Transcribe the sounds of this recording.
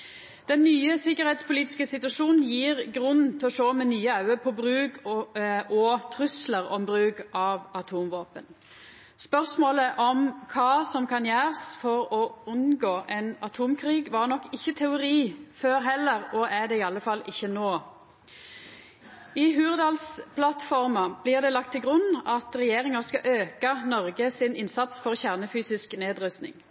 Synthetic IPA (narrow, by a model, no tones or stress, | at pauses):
d̪̥ɛnːyːəsɪkːəɾhɛeːt̪spʊliːt̪ɪ̥skəsɪt̪ʉɑʂuːnn̩jiːʁɡɾʉnn̩t̪ʰɪɔʃoːmɛnyːəɑʉəpʰɔbɾʉːɡ | ʔɔt̪ʰɾʉsləʁɔmbɾʉːɡʔɑʋɑt̪ʰuːmʋoːpən | spœʁsmoːləʔɔmkʰɑːsɔmkʰɑnjæːʁəsfɔʁɔʉnɡoːʔɛnɑt̪ʰuːmkʰʁiːɡʋɑʁnɔkːɪçːət̪ʰɛʊʁiːføːɾɦɛlːəʁɔʔæd̪ɛɪːɑlːəfɑlɪçːənoː | ɪɦʉːʁd̪ɑːlspʰlɑt̪fɔʁmɑb̥lɪʁd̪ɛlɑk̚t̪ʰːɪlɡʁʉnːɑt̪ʁɛjeːʁɪŋɑskɑʔøːkɑnɔʁɡəsɪnɪnsɑt̪sfɔʁçæʁnəfyːsɪskneːd̪ʁʉst̪nɪ̰ŋ